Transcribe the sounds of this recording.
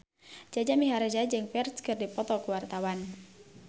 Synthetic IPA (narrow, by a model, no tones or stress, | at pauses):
d͡ʒad͡ʒamiɦaɾad͡ʒad͡ʒɨŋpɛrskɨrdipɔt̪ɔkuwart̪awan